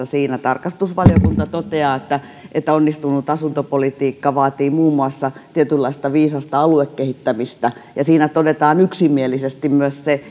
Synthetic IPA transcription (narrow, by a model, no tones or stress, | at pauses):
siːnæt̪ɑrkɑst̪usʋɑlijokunt̪ɑt̪ot̪eɑːet̪ːæ | ʔet̪ːæonːist̪unut̪ɑsunt̪opolit̪iːkːɑʋɑːt̪iːmuːmːuɑsːɑt̪iet̪ylːɑist̪ɑʋiːsɑst̪ɑɑluekkehit̪ːæmist̪æjɑsiːnæt̪odet̪ɑːnyksimːielisest̪immyøsse